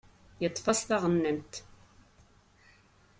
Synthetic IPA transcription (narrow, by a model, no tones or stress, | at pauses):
jət̪ˤːfɑsθɑʁənːəmt̪